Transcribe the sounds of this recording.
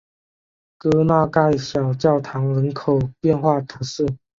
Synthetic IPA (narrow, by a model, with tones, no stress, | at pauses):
kɤ˥na˥˧˨ka˥˧ɪɕjɑ˨˩ʊt͡ɕjɑ˥˨ʊt̪ʰɑ˧˥ŋɻə˧˦nkʰo˨˩ʊpjɛ˥˨nxwa˥˨t̪ʰɤ˧˥sə˥˩